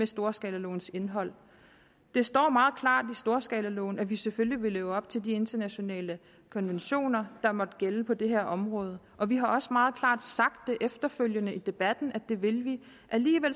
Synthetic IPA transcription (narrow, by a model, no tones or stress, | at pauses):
mesd̥o̝ːɐsɡ̥ɛːləlɔ̰ːnse̝nɦɒ̽l̰ | d̥e̝sd̥ɒ̰ːmɑ̈ːð̞̩ˠkʰlɑ̰̈ːd̥isd̥o̝ːɐsɡ̥ɛːləlɔ̰ːn̩æʋiseføljiʋe̝leːʊəɒ̽b̥̚t͡sʰe̝ldie̝nd̥ɐnæɕo̝nɛ̰ːlə | kʰɒ̽nʋenɕo̝̰ːnɐd̥ɑ̈mɒ̽d̥ɡ̥eləpʰɒ̽d̥e̝ɦeɐ̰ʔɒ̽mʁɔ̽ːð̞ˠə | ʔɒ̽ʋiɦɑ̈ɒ̽səmɑ̈ːð̩ˠkʰlɑ̰̈ːd̥sɑ̈ɡ̥̚d̥ːe̝ʔefd̥ɐføl̰jənəid̥e̝b̥æd̥n̩æd̥e̝ʋe̝lʋi | ʔæliːʋel